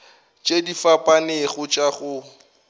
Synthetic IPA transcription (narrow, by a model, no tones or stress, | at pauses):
t͡ʃʼedifapʼanɪɣʊt͡ʃʼaɣʊ